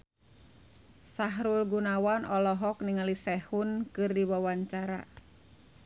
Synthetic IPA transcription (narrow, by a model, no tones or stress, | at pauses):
saɦɾulɡunawanɔlɔɦɔk̚niŋalisɛhunkɨrdiwawaɲt͡ʃaɾa̰